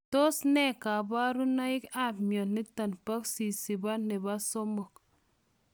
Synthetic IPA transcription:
to˦sne˦˨ka˨ba˦ɾu˦na˦i˦ka˦pmo˨nni˦ta˨npa˦ksi˨si˨ba˦nːe˨ba˦so˦mo˨k̚

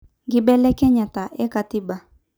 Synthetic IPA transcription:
ɡɪ˦bɛ˦lɛ˦kɛ˦ɲa˨ta˨ʔɛ˦ka˨ti˦ba˨

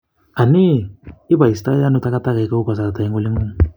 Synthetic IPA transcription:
a˨ni˦i˦ba˨i˨sta˦a˦nu˨ta˦ka˦ta˦ka˨i˨ka˦u˦ka˨sa˨a˨t̪a˨i˦ŋɡo˦li˦ŋo˦ŋ˨

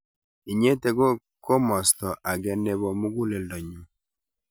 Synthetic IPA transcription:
i˨ɲe˦te˦ɡo˦ | kʰo˦mɔ˨stɔ˨ʔa˨ɡɛ˦ne˦βɔ˨mu˦ɡu˦le˨ldɔ˨ɲu˨

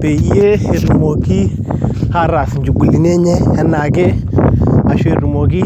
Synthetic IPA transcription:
pe˨i˦e˦e˨ɾu˨mo˨ki˦ | ha˦ɾa˨snd͡ʒu˨ɡu˨li˨n˦e˦ɲɛ˦ɛ˦na˨ke˦ | a˨ʃwe˨ɾu˨mo˨ki˦

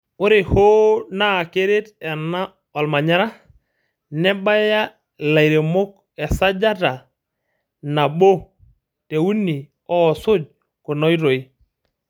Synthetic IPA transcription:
ʊ˦ɾe˨ho˦naː˦˨ke˦ɾe˦tɛ˨na˦ | ɔ˨lma˨ɲa˦ɾa˦ | nɛ˦ɓa˦ja˦ | la˨i˨ɾe˨mo˦k̚ | ɛ˨sa˦d͡ʒa˦ta˨ | na˨ɓo˦ | te˨u˦ni˨ | ɔ˦˨sʊ˦d͡ʒ̚ | ko˨nɔ˦i˦ɾo˨i˦

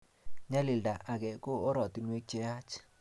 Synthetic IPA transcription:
ɲa˦lɪ˨lda˨ʔa˨ɡɛ˨ko˦ɔ˦ɾɔ˨t̪i˨nwe˦k̚t͡ʃɛ˦a˦t͡ʃ

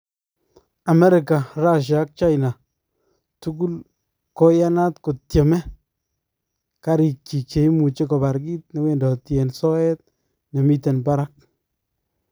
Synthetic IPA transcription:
a˨mɛ˦ɾɪ˨ka˨ɾa˦˨ʃ̬a˨˦k̚t͡ʃa˦jna˨ | tu˦ɡu˦l | kɔ˦ja˦na˦tko˨tje˨mɛ˦ | ka˦ɾi˨k̚t͡ʃi˨t͡ʃe˨jmu˨t͡ʃe˦kɔ˨ba˨ɾɡi˦t̚ne˨we˦ndɔ˨tjɛ˨nsɔ˦ɛ˦t̚ | ne˨mi˦te˨nba˦ɾa˦k̚

